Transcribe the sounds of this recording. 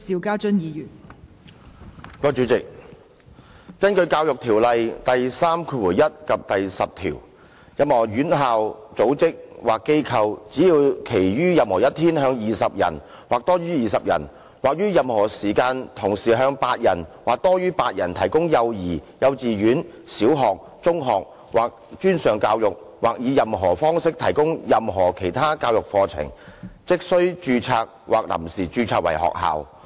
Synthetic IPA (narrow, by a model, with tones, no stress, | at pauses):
siː˨˧wkaː˥t͡ʃɵ˥njiː˨jyː˨˩n | kɔː˧t͡ʃyː˨˧˥t͡sɪ˨k̚ | kɐ˥nkɵ˧ɥkaː˧wjʊ˨k̚t̪ʰiː˨˩wlɐ˨jt̪ɐ˨jsaː˥mkʰuː˧wuː˨˩jɐ˥t̚kɐ˨p̚t̪ɐ˨jsɐ˨p̚t̪ʰḭː˨˩w | jɐ˨˧mhɔː˨˩ɥyː˨˥nɦaː˨wt͡so˨˥wt͡sɪ˥k̚waː˨kːe˥jkʰɐ˧wt͡siː˨˥jiː˧wkʰe˨˩jɥyː˥jɐ˨mhɔː˨˩jɐ˥t̚t̪ʰiː˥nhœː˨˧ŋjiː˨sɐ˨p̚jɐ̰˨˩n | waː˨k̚t̪ɔː˥ɥyː˥jiː˨˩sɐ˨p̚jɐ̰˨˩n | waː˨k̚ɥyː˥jɐ˨˧mhɔː˨˩siː˨˩kaː˧nt̪ʰʊ˨˩ŋsiː˨ɦœː˧ŋpaː˧t̚jɐ˨˩nwaː˨k̚t̪ɔː˥jɥyː˥paː˧t̚jɐ˨˩nt̪ʰɐ˨˩jkʊ˥ŋjɐ˧wjiː˨˩jɐ˨˧wt͡siː˨ɥyː˨˥n | siː˨˥wɦɔː˨˩k̚ | t͡sʊ˥ŋɦɔː˨k̚ | waː˨˩k̚t͡ʃyː˥nsœː˨˩ŋkaː˧wjʊ˨k̚ | waː˨k̚jiː˨˧jɐ˨mɦɔː˨˩fɔː˥ŋsɪ˥k̚t̪ʰɐ˨˩jkʊ˥ŋjɐ˨mɦɔː˨˩kʰe˨˩jt̪ʰaː˥kaː˧wjʊ˨k̚fɔː˧t͡sʰɪ̰˨˩ŋt͡sɪ˥k̚sɵ˥ɥt͡ʃyː˧t͡sʰaː˧k̚wʔaː˨k̚lɐ̰˨˩msiː˨˩t͡ʃyː˧t͡sʰaː˧k̚wɐ̰˨˩jhɔ̰ː˨k̚ha̰ː˨w